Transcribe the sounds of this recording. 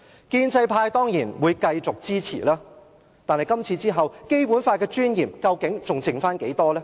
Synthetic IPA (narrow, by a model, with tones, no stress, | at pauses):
kiː˧nt͡sɐ˧jpʰaː˧jt̪ɔː˥ŋjiː˨˩nwuː˨˧jkɐ˧jt͡sʊ˨k̚t͡siː˥t͡sʰḭː˨˩laː˥ | t̪aː˨nhɐ˨˩jkɐ˥mt͡sʰiː˧t͡siː˥ɦɐ˨wke˥jpuː˨˥nfaː˧t̚kɛː˧t͡ʃyː˥njiː˨˩mkɐ˧wkɪ˨˥ŋt͡sʊ˨ŋt͡sɪ˨ŋfaː˥nke˨˥jt̪ɔː˥lɛː˥